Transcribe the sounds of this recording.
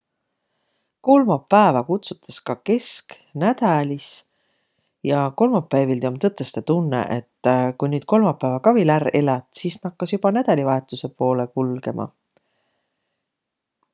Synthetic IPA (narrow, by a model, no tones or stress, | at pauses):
ko̞lmɑpːæevɑkut̪sut̪ʰːˑeskɑke̞sk | næd̪̥ɑlʲis | jɑko̞lmɑpːˑæjvild̪eomt̪ɤt̪ːˑest̪et̪unːḛʔet̪ːˑkujnyːd̪̥̚ko̞lmɑpːˑæːvɑkɑvilære̞lɑt̪ˑsiːsnɑkːɑsjub̥ɑnæd̪̥ɑlʲivɑe̞t̪ːˑuse̞po̞ːle̞kulɡ̥e̞mʔɑ̰